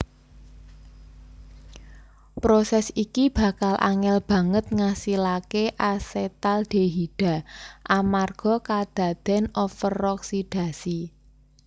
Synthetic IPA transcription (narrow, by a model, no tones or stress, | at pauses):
pɾosɛsikib̥a̤kalʔa̰ŋɛlb̥ä̤ŋət̪̚ŋasilakeʔaset̪alɖ̥e̤ɦiɖ̥a̤ʔamarɡ̥ɔ̤kad̪̥ä̤d̪̥ɛ̤nɔfəɾɔksid̥a̤si